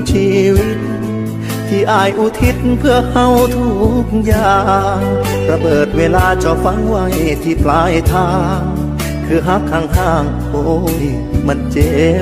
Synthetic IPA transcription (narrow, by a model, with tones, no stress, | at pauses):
t͡ɕʰiː˧wi˧˥t̪̚ | t̪ʰːiː˧˩ʔaː˧˩jʔuː˧˩t̪ʰi˧˥t̪̚pʰɯ˧əha˧˥wt̪ʰuː˧˩k̚jaː˨˩ŋ | ɾa˧bɤː˨˩t̪̚weː˧˩laː˧t͡ɕɔ˧˩fa˧˥ŋwa˧˩jt̪ʰiː˧˩plaː˧jt̪ʰaː˧ | ŋ | kʰɯː˧ɦa˧˥kʰaː˧˩ŋt̪ʰaː˧˩ŋ | ʔo˧˩j | ma˧˥˩nt͡ɕe˧˩